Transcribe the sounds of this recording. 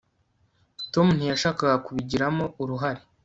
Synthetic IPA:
to̞mun̥ijaʃaːkaɡakuβiɟiɾamo̞uɾuɦaɾe

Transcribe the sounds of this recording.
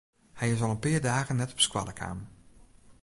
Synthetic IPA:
hɛjɪsɔlˠənpɪːərdaːɣənːɛtɔ̥pskwa̰ləkʰa̰ːm

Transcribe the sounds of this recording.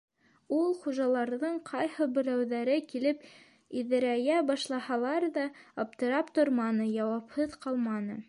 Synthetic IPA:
ulˠχuʒɑlˠɑɾðɤɴqʰɑjhɤbɘ̆ɾæwðæɾɘkilɘp | iðɘ̆ɾæjæbɑʃlˠɑhɑlˠɑɾðɑɑp̚t̪ɤ̆ɾɑpt̪oɾmɑnɤjɑwɑphɤðqɑlˠmɑnɤ̰

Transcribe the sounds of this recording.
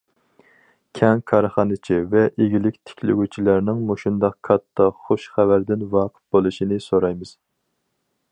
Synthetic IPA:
kʲʰɛŋkʰɑɾχɑnɨt͡ʃʰivɛʔeɡʲilɪkʲt̪ʰɪ̥kʲʰlɪ̰ɡʲut͡ʃʰilæɾnɪŋmuʃund̪ɑq̚kʰɑt̪ʰːɑχoʃχævæɾd̪ɪnwɑːqʰə̥t̪̚b̥olˠuʃinɪsoɾɑjmɨz̥

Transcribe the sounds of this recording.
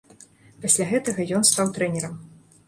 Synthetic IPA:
pasʲlʲaɣɛt̪ɐɣɐjɔnst̪awt̪ɾɛnʲɛɾɐm

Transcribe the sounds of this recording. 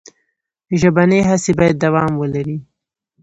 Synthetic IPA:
ʒabaneɦasebɑjad̪ːawɑmwəlaɾi

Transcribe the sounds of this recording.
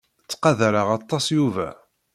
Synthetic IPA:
t͡sːqɑðaɾaʁɑt̪ˤːɑsjuvæ̰

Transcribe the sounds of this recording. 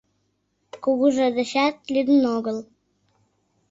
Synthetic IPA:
kuɣuʒĕd̪ə̆ɕæt̪̚lyd̪ənoɣəl

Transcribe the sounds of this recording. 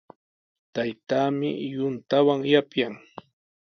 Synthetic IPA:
t̪ajt̪aːmɪjʊnt̪awaŋjapjaŋ

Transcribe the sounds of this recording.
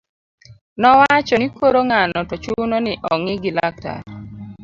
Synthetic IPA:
nɔwat͡ʃɔnikoɾoŋanɔtɔt͡ʃunonɪʔɔŋɪɡɪlak̚ta̰ɾ

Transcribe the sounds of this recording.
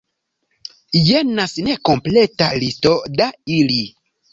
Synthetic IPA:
jenasnekompleta̰listodaili

